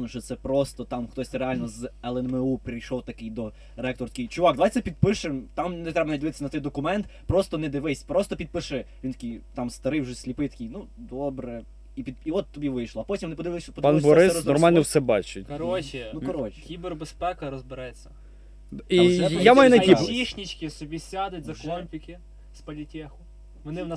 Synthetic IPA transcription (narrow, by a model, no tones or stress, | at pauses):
nɔʃt͡ʃɔt̪sɛpɾɔst̪ɔt̪ɑmxt̪ɔsʲɾealʲnɔzɛlˠɛnmeupɾʲijʃɔwt̪ɐkɪjd̪ɔ | ɾɛk̚t̪ɔrt̪ɐ̥kʲijt͡ʃʊʋɑɡd̪ɐʋajt̪sɛpʲid̪̚pɪʃɪmt̪ɑmnɛt̪ɾɛbɐnɐdʲɪʋɪt̪ɪsʲɐnɐt̪ɔjd̪ɔkʊmɛnt̪pɾɔst̪ɔnɛd̪ɪʋɪsʲpɾɔst̪ɔpʲid̪̚pɪʃɛʋʲint̪ɐkʲijt̪ɑmst̪ɐɾɪjwʒɛsʲlʲipɪjt̪ɐ̥kʲijnud̪ɔbɾɛ | ipʲid̪iɔt̪ːɔbʲiʋɪjʃlˠɔɐpɔtʲimnɪpɔd̪ɪʋɪpɔd̪panɪbɔɾɪsɾɔznɔrmalʲnnɔwsɛbɑt͡ʃɪt̚ʲkɔɾɔt͡ʃɪnukɔɾɔt͡ʃɪ̥kʲiberbespɛkɐɾɔzbɪɾɛt͡sʲːɐ | iɛjamajunɐibʲiʃnʲit͡ʃkʲɪsɔbʲisʲad̪ɪtʲzɐkɔmpʲikʲɪ | spɐlʲitʲɛxʊ | mɛnɪn